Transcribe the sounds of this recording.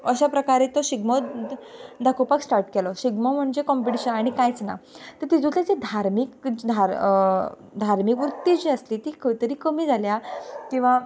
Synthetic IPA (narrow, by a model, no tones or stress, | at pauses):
əɕapɾəkaɾet̪ɔɕiɡmɔ | d̪ʱakopaksʈaɾʈkɛlɔɕiɡmɔm̤əɳd͡zekɔmpiʈiɕənaɽ̃ikajt͡sna̰t̪əɾt̪id͡zut̪ed͡zid̪ʱaɾmikd͡ʑd̪ʱaɾ | d̪ʱaɾmikʋɾut̪ːiːd͡ʑiəsliːt̪iːkʰəʋit̪əɾiːkəmiːd͡zʱaljakĩʋa